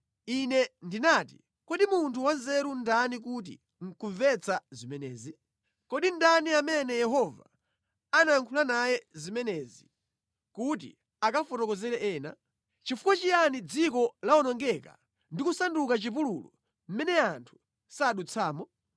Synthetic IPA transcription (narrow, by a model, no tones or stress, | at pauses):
inɛndinaːti | kɔɗimuntʰuwanzɛɾundanik̬ut̬ḭ | ŋ̩kuɱvɛt͡sʰazimɛnɛːzi | kɔɗindaniamɛnɛjɛɦɔva̰ | anaaŋkʰulanajɛzimɛnɛːzi | kut̬ḭ | akafɔtɔkɔzɛɾɛʔɛːna̰ | t͡ʃifu̥kwat͡ʃijanid͡zikɔlaɔnɔŋɡɛka̰ | ndikusandukat͡ʃip̬ululɔ̰ | m̩mɛnɛantʰu̥ | saːɗut͡sʰaːmɔ